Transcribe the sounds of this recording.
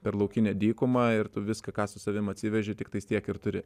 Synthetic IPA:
pʲɛɾlˠɐʊkʲɪnʲɛd̪ʲiːkʊmɐɪrt̪ʊʋʲɪskɐkɑːsʊsɐʋʲɪmɐt̪ʲsʲɪʋʲɛʒʲɪt̪ʲɪkt̪ɐɪst̪ʲiɛkɪrt̪ʊɾʲɪ

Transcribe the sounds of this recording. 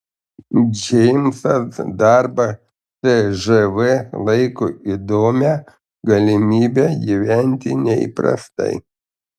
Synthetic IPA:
d͡ʒʲɛmʲsɐsd̪ɑɾbɐ | t̪ɪʒɪʋɪlˠɐɪkʊid̪oːmʲɛ | ɡɐlʲɪmʲiːbʲɛjɪʋʲɛnʲt̪ʲɪnʲɛ̰pɾɐ̰st̪ɐ̰ɪ

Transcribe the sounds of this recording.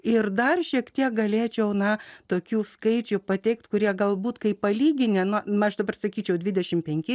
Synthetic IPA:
ɪrd̪ɐrʃʲiɛkt̪ʲiɛk̚ɡɐlʲeːt͡ʃʲɛʊnɐt̪oːkʲuːskɐɪt͡ʃʲʊpɐt̪ʲɛɪkt̪kʊɾʲiɛɡɐlˠbuːt̪kɐɪpɐlʲiːɡʲɪnʲenʊɐʃd̪ɐbɐrsɐkʲiːt͡ʃʲɛʊdʲʋʲɪd̪ʲɛʃʲɪmpʲɛŋʲkʲɪ

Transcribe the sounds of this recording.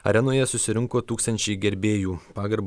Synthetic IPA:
ɐ̰ɾʲɛnoːjɛsʊsʲɪɾʲɪŋkoːt̪uːkst̪ɐnʲt͡ʃʲɛɪɡʲɛɾʲbʲeːjuːpɑːɡɐɾb

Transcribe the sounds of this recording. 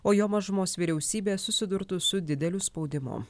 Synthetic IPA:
oːjoːmɐʒʊmoːsʋʲiːɾʲɛʊsʲiːbʲeːsʊsʲɪd̪ʊɾt̪ʊsʊd̪ʲɪd̪ʲɛlʲʊspɒʊd̪ʲɪmo̰ː

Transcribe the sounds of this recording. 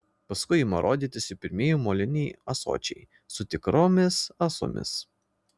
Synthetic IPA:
pɐskʊɪɪmɐɾʔo̰ːd̪ʲiːt̪ʲɪsʲɪpʲɪɾʲmʲieːjumoːlʲɪnʲiɐso̰ːt͡ʃʲɛɪ | sʊt̪ʲɪkɾoːmʲɪsɐsʊ̰mʲɪ̰s

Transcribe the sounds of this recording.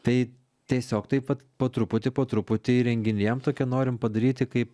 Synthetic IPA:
t̪ɐɪ | t̪ʲiɛsʲoːkt̪ɐɪpʋɐt̪poːt̪ɾʊpʊt̪ʲɪpoːt̪ɾʊpʊt̪ʲɪɾʲɛŋʲɡʲɪnʲijɛmt̪oːkʲiɛnoːɾʲɪmpɐd̪ɐɾʲiːt̪ʲɪkɐɪp

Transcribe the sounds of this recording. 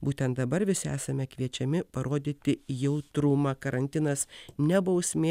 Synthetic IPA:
buːt̪ʲɛnt̪̚d̪ɐbɐɾʋʲɪsʲɪæ̰ːsɐmʲɛkʋʲiɛt͡ʃʲɛmʲɪpɐɾoːd̪ʲit̪ʲɪjɛʊt̪ɾʊmɐkɐɾɐnʲt̪ʲɪnɐsnʲɛbɐʊsʲmʲeː

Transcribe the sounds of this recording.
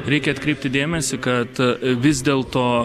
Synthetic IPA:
ɾʲɛɪkʲɛɐt̪kɾʲɛɪp̚ʲt̪ʲɪd̪ʲeːmʲɛsʲɪkɐt̪ʋʲɪzʲd̪ʲeːlˠt̪oː

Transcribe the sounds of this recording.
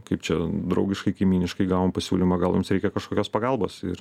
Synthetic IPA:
kɐɪp̚t͡ʃʲɛd̪ɾɐʊɡʲɪʃkɐɪkɐɪmʲiːnʲɪʃkɐɪɡɑːʋoːmpɐsʲuːlʲimɑːɡɐlˠjʊmsɾʲɛɪkʲɛkɐʃkoːkʲoːspɐɡɐlˠboːsɪ̰ɾ

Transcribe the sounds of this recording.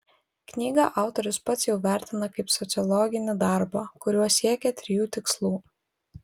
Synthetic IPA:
knʲiːɡɑʔɑˑʊt̪ɔɾʲʊspɐt̪sʲjɛʊʋʲæˑɾʲt̪ʲɪnɐkɐɪpsɔt̪sʲɨɔlˠɔːɡʲɪnʲɪd̪ɑˑɾbɑːkʊɾʲuɔsʲiɛkʲɛt̪ʲɾʲɪjuːt̪ʲɪkslˠuː

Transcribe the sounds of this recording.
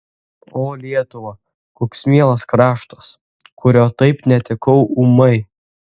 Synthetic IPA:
oːlʲiɛt̪ʊʋɐ | koːksmʲiɛlˠɐskɾɑːʃt̪ɐs | kʰʊɾʲoːt̪ɐɪpnʲɛt̪ʲɪkɐʊumɐɪ

